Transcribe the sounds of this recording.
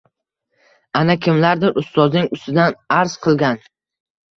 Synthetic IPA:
anakʲʰɪmlaɾd̪ɪɾʔʊst̪ɒznɪŋʊst̪ɪd̪anaɾz̥qʰɨlˠɡʲan

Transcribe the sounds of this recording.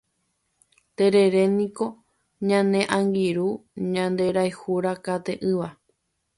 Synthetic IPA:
t̪e̞ɾe̞ɾe̞nĩko̞ | ɲãnẽ̞ʔãŋɡiɾuɲãnd̪e̞ɾajhuɾakat̪e̞ʔɨʋa

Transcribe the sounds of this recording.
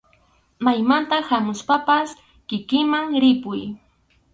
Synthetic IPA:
majmant̪ahamʊspapas | kɪkɪmaŋɾɪpʊj

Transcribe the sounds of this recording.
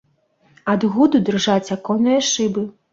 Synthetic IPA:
ad̪ɣud̪ud̪ɨrʐat͡sʲakɔnɨjɐʂɨbɨ

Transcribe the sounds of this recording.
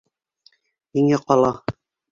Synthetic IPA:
niŋæqɑlˠɑ

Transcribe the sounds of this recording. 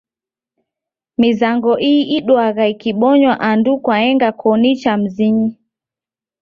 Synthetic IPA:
mizaŋɡɔʔiːɗwaɣaikiɓɔɲwaʔandukwaɛŋɡakʰɔnit͡ʃam̩ziɲi

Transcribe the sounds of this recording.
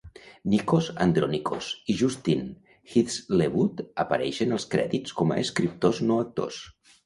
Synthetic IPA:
nikozand̪ɾoniko̰siʒust̪in | xit̪sleβut̪əpəɾɛʃənəlˠskɾɛ̰ðit͡sskɔmə̰əskɾip̚t̪oznoək̚t̪o̰s

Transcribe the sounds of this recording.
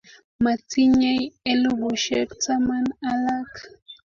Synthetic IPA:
mat͡sɪɲajelɢoʃekt͡samanalak

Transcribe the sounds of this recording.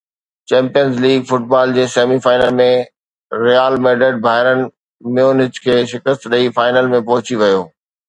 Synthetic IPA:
t͡ɕɛ̃ːmpijənzliːɡfʊʈ̚baːld͡ʑeːseːmifaːɪnəlmẽ | ɾijaːlmeːɖeɖ̚bʱaːɪɾənɪ̆ | mẽʊnɦɪd͡ʑkʰeːʃɪkəst̪ɗɐifaːɪnəlmẽpɐɦʊt͡ɕiʋɐjoː

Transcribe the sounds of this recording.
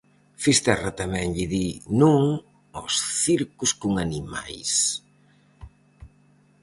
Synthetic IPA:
fist̪ɛrat̪amɛ̃ŋʎiðinuŋ | ɔsθiɾkuskuŋanima̰js

